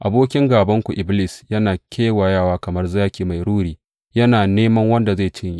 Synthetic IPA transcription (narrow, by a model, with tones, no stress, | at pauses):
ʔa˨boː˦kʲɪ˦ŋɡaː˨bɐ˦ŋkʷu˨ʔɪ˨˦bli˦sjɐ˦naː˨kʲʰeː˦wa˨jaː˦˨waː˦kɐ˨mɐ˦rzaː˦kʲiː˨ma˨jɽuː˦ɽiː˦ | jɐ˦naː˨neː˦mɐ˦ŋwɐ˦nda˨za˦˨t͡ʃɪ˦ɲji˦ʔ